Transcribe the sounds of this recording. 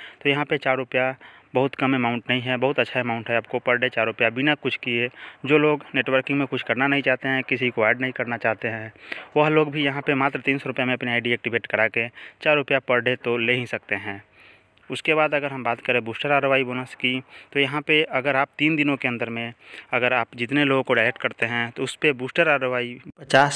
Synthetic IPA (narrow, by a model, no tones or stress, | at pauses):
t̪ojɐɦãpet͡ʃaːɾɾʊpjabɐɦʊt̪kɐmemãːʊ̃ɳʈnɐɦĩɦɛbɐɦʊt̪ɐtːʃʰaemãʊ̃ɳʈɦɛaːp̚kopɐɾɖet͡ʃaːɾɾʊpjabʱinakʊt͡ʃʰkied͡ʒoːloːɡneːʈʋəɾkɪ̃ŋɡmẽkʊt͡ʃʰkɐɾnanɐɦĩt͡ʃaːɦt̪eɦɛ̃kɪsikoɛːɖnɐɦĩkɐɾnat͡ʃaːɦt̪eɦɛ̃ʋɐɦloːɡbʱijɐɦãpemaːt̪ɾət̪iːnsɔɾʊpjamẽɐpniaːɪɖiɛːk̚ʈɪbʱeːʈkɐɾaːket͡ʃaːɾːʊpjapɐɾɖʱet̪oleːɦĩsɐk̚t̪eɦɛ̃ː | ʊskebaːd̪ɐɡəɾɦɐmbaːt̪kəɾẽbuːsʈəɾaːɾəʋaːibonəskit̪ojɐɦãpeɐɡəɾaːp̚t̪iːnd̪ɪnõkeɐ̃nd̪əɾmẽɐɡəɾaːpd͡ʒɪt̪neloːɡõkoɖaɪlek̚ʈ̚kəɾt̪eɦɛ̃t̪oʊspebuːsʈəɾaːɾəʋaːipət͡ʃaːs